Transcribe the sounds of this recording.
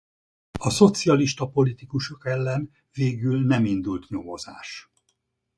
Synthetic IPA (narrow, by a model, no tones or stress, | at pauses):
ɒso̞t̪siɒliʃt̪ɒpo̞lit̪ikuʃo̞kɛlːɛn | veːɡylnɛmind̪ult̪ɲo̞mo̞zaːʃ